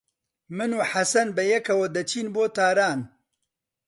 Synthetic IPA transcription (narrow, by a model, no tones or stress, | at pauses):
mɨnuːħasɐnbɛjɛkʰɐwɐd̪ɐt͡ʃʰiːnboːt̪aːɾaːn